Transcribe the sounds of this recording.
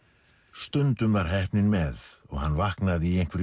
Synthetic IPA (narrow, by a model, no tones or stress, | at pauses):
st̪ʏnt̪ʏmvaɾ̥ɦɛhpnɪnmɛðɔɣhanːvahknaðiejŋ̥kʰvɛɾ